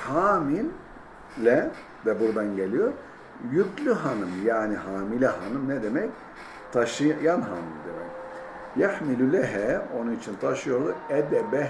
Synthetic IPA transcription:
haːmin | lʲɛ | d̪ɛbuɾd̪anɟelʲijoɾ | jyclʲyɦanɯmjaːniɦaːmilʲɛɦanɯmnɛd̪emɛc | t̪ʰaʃɯjanɦaːmḭnd̪emɛ̰c | jaħmilulʲɛɦɛo̞nunit͡ʃʰint̪ʰaʃɯjo̞ɾd̪uɛd̪ɛbɛ

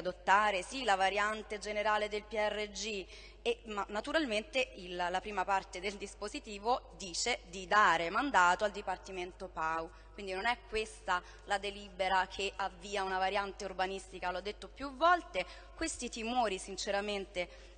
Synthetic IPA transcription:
ad̪ot̪ːaːɾesilavaɾjant̪ed͡ʒeneɾaːled̪elpiɛrːed͡ʒi | emanːat̪uɾalment̪eillapɾiːmapart̪ed̪eld̪ispozit̪iːvod̪iːt͡ʃed̪id̪aːɾemand̪aːt̪oald̪ipart̪iment̪opaw | kwind̪inonɛkːwest̪a | lad̪eliːbeɾakʰeavːiːaunavaɾjant̪eurbanist̪ikalɔd̪ːet̪ːopjuvːɔlt̪e | kwest̪it̪imoːɾisint͡ʃeɾament̪e

